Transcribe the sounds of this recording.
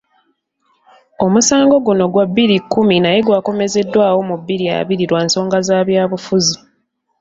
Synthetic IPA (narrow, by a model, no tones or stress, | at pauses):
o̞musaːŋɡo̞ɡuno̞ɡwabːiɾikːuminaje̞ɡwaːko̞me̞ze̞dːwaːwo̞mubːiɾia̰βiɾiɾwaːnso̞ːŋɡazaːβjaːβufuzi